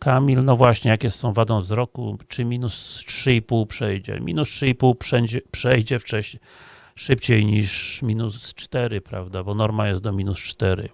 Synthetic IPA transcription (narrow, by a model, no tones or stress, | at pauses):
kamʲilnɔvwaɕɲɛjakʲɛsːɔ̃w̃vad̪ɔ̃w̃vzɾɔkṵt͡ʂɘmʲinustʂɘipuwpʂɛjd͡ʑɛ̰mʲḭnustʂɘipuwpʂɛɲd͡ʑɛpʂɛjd͡ʑɛft͡ʂɛɕɲ | ʂɘpt͡ɕejɲiʂmʲinust͡ʂt̪ɛɾɘpɾa̰vd̪abɔnɔɾmajɛst̪̚d̪ɔmʲinust͡ʂt̪ɛɾɘ̰